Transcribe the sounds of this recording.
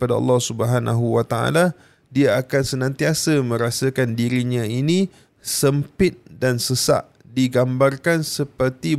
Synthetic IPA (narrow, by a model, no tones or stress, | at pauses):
padaɑ̰lːɑhsubəɦanʔa̰ɦuwat̪aʔa̰la | diaːkansənãnt̪iasamə̃ɾasakandiɾiɲãinĩ | səmpɪt̪̚dansəsa̰ʔ | diɡambarkansəpərt̪i